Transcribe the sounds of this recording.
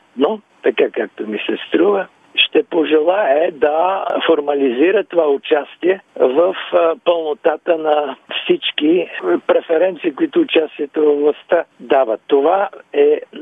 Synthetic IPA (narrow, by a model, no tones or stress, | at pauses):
no | t̪ɐkakak̚t̪omisɛst̪ɾuvə | ʃt̪ɛpoʒɛlˠaɛd̪ɐfoɾmɐliziɾət̪ovaʊt͡ʃast̪iɛvəfpəlˠnot̪at̪ənɐfsit͡ʃkipɾɛfɛɾɛnt̪siːkʊit̪ʊːt͡ʃast̪iɛt̪ovəvlˠɐst̪əd̪avət̪ːovaɛ